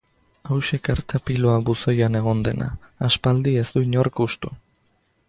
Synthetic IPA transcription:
awʃe̞kaɾt̪ʰapilo̞aβuso̞jane̞ɣ̞o̞nd̪e̞na̰ːspald̪ie̞zd̪uɲo̞ɾkust̪u

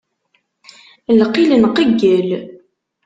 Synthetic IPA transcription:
lqilənqəɡːəl

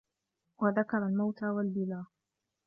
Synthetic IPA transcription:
waðakɑɾˤalmawt̪aːwalbɪlaː

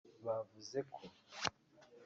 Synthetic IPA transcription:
βavuze̞kʰo

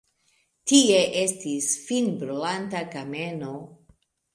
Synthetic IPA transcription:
tie̞ʔe̞stisfinbɾulantakame̞no̞

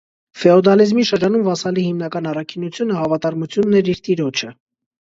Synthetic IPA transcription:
fɛɔd̪ɑlizmiʃəɾd͡ʒɑnumvɑsɑlihimn̪ɑkɑnɑrɑkʰinut͡sʰjunəhɑvɑt̪ɑɾmut͡sʰjunːɛɾiɾt̪iɾɔt͡ʃʰə

